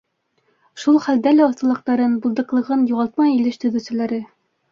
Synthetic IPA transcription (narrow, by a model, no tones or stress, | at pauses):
ʃulˠχæld̪ælæɒθt̪ɤ̆lˠɤ̆q̚t̪ɑɾɤnbulˠd̪ɤ̆qlˠɤ̆ʁɤnjuʁɑlˠt̪̚mɑjilɘʃt̪ɵ̆ðɘ̆sɘ̆læɾɘ